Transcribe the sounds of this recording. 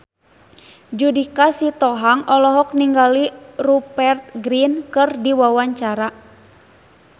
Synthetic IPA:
d͡ʒudikasit̪ɔɦaŋɔlɔɦɔk̚niŋɡalirupɛrt̪̚ɡɾinkɨrdiwawaɲt͡ʃaɾa

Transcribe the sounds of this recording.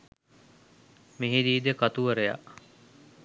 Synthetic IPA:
miɦid̪iːd̪ekɐt̪uʋɐɾeja̰ʔ

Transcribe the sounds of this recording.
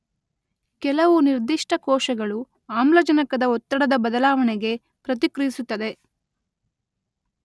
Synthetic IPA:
kɛlɐʋuniɾd̪iʂʈɐkɔːʃɐɡɐɭu | aːmlɐd͡ʒɐnɐkɐd̪ɐɔt̪ːɐɽɐd̪ɐbɐd̪ɐlaːʋɐneɡe̞ | pɾɐt̪̬ikɾɐjisut̪ːɐd̪e̞

